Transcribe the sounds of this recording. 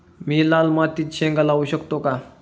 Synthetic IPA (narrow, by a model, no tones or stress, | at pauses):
miːlalmat̪iːt̪ɕẽŋɡalauɕəkt̪oka